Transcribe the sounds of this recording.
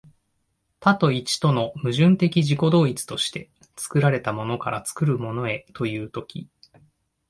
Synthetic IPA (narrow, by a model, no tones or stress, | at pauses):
t̪at̪o̞it͡ɕi̥t̪o̞no̞mɯ̟ʑɨ̃nt̪e̞kʲiʑiko̞d̪o̞ːit͡sɨ̥t̪o̞ɕi̥t̪e̞ | t͡sɨ̥kɯ̟ɾaɾe̞t̪amo̞no̞kaɾat͡sɨ̥kɯ̟ɾɯ̟mo̞no̞e̞t̪o̞jɯ̟ːt̪o̞kʲḭ